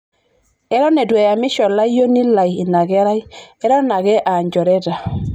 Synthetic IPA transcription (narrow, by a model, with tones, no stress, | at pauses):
ɛ˦ɾɔ˦nɛ˨dwɛ˨ja˨mɪ˦ʃɔ˨la˦jo˦ni˦la˨ji˨na˨ɡɛ˦ɾa˦jɛ˦ɾɔ˦na˨ɡɛ˦ʔa˨ɲd͡ʒɔ˨ɾɛ˦da˨